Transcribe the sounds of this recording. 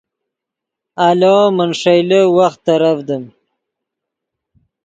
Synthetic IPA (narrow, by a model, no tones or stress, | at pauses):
alomənʂajləwaxt̪ːaɾafd̪əm